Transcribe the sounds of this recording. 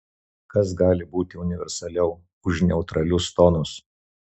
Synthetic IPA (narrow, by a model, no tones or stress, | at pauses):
kɐs̬ɡɑːlʲɪbuːt̪ʲɪʊnʲɪʋʲɛ̰ɾsɐlʲɛʊ | ʊʃnʲɛʊt̪ɾɐlʲʊst̪ɔnʊs